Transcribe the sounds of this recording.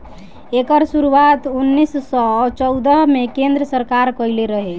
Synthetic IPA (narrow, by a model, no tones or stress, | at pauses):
ekəɾsuɾuat̪unːisːɔt͡ʃɔwd̪əɦmekend̪ɾəsəɾkaɾkəjleɾəɦe